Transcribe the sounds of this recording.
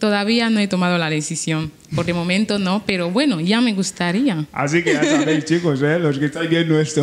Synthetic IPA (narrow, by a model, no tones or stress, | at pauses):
t̪oðaβ̞ianoet̪omaðolaðesisjõn | poɾðemõmẽnt̪onopeɾoβwe̞noʝame̞ɣust̪aɾiaa̰s̬ikejasaβejst͡ʃikoseloskest̪ajbjennowest̪o